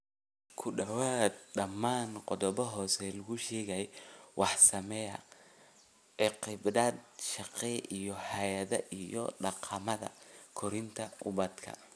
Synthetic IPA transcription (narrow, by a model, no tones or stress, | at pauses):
kʰʊɖɐwaːd̪̚ɖɐmːaːnqɔðɔβɔɦɔːsɛlɐɣʊʃɛːɣɐwʔɑħsɐmɛjɐ̰ | ɛqɪbdɐːd̪ʃɑqɛʔijɔhɐjɐðɐ̰ʔijɔ̰ɖɑqʰɑmɐðɐ̰kʰɔɾɪnt̪ʰɐʔʊβɐd̪kʰɐ̰